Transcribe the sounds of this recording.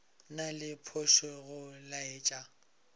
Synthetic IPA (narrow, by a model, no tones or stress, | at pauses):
nalɪpʰoʃeɣʊlaeːt͡ʃʼa